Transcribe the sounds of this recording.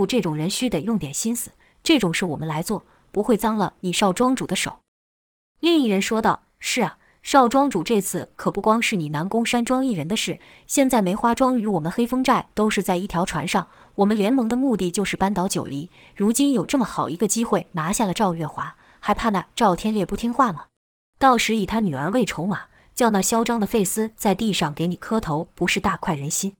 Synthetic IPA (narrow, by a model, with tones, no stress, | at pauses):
u˥˧ʈ͡ʂɤ˥˩ʈ͡ʂʊ˨˩ŋɻə˧˥nɕy˥d̪ə˨˩jʊ˥˩ŋt̪jɛ˨˩nɕi˥nsɹ̩˨˦ | ʈ͡ʂɤ˥˩ʈ͡ʂʊ˨˩ŋʂɻ̩˥˩wɔ˨˩mə˦nla˧˥ɪt͡swɔ˥˩ | pu˧˥xwe˥˩ɪt͡sɑ˥ŋlə˨ni˨˩ʂɑ˥˩ʊʈ͡ʂwɑ˥ŋʈ͡ʂu˨˩d̪ə˦ʂo̰˨˩˦ | li˥˧ŋi˥˩ɻə˧˥nʂwɔ˥t̪ɑ˥˩ʊʂɻ̩˥˩ɐ˩ | ʂɑ˥˩ʊʈ͡ʂwɑ˥ŋʈ͡ʂu˨˩ʈ͡ʂɤ˥˧t͡sʰɹ̩˥˩kʰɤ˨˩pu˥˩kwɑ˥ŋʂɻ̩˥˩ni˨˩na˧˥nkʊ˥ŋʂa˥nʈ͡ʂwɑ˥ŋi˥˩ɻə˧˥nd̪ə˧ʂɻ̩˥˩ | ɕjɛ˥˧nt͡sa˥˩me˧˥ɪxwa˥ʈ͡ʂwɑ˥ŋy˧˥wɔ˨˩mə˦nxe˥ɪfɤ˥ŋʈ͡ʂa˥˩ɪt̪o˥ʊʂɻ̩˥˧t͡sa˥˧ɪi˥˩t̪ʰjɑ˧˥ʊʈ͡ʂʰwa̰˧˥nʂɑ˥˩ŋ | wɔ˨˩mə˦nljɛ˧˥nmɤ˧˥ŋd̪ə˧mu˥˧t̪i˥˩t͡ɕjo˥˧ʂɻ̩˥˩pa˥nt̪ɑ˧˥ʊt͡ɕjo̰˨˩ʊli˧˥ | ɻu˧˥t͡ɕi˥njo˨˩ʊʈ͡ʂɤ˥˩mə˩xɑ˨˩ʊi˧˥ɡə˧t͡ɕi˥xwe˥˩ɪna˧˥ɕja˥˩lə˩ʈ͡ʂɑ˥˧ʊɥɛ˥˩xwa˧˥ | xa˧˥ɪpʰa˥˧na˥˧˩ʈ͡ʂɑ˥˩ʊt̪ʰjɛ˥nljɛ˥˧pu˥˩t̪ʰi˥ŋxwa˥˩mə˩ | t̪ɑ˥˩ʊʂɻ̩˧˥i˨˩t̪ʰa˥ny˨˩ə˞˧˥we˥˩ɪʈ͡ʂʰo˧˥ʊma˩ | t͡ɕjɑ˥˧ʊna˥˩ɕjɑ˥ʊʈ͡ʂɑ˥ŋd̪ə˨fe˥˩ɪsɹ̩˥t͡sa˥˧ɪt̪i˥˧ʂɑ˥˩ŋke˧˥ɪni˨˩kʰɤ˥t̪ʰo˧˥ʊpu˧˥ʂɻ̩˥˧t̪a˥˧kʰwa˥˩ɪɻə˧˥nɕi˥n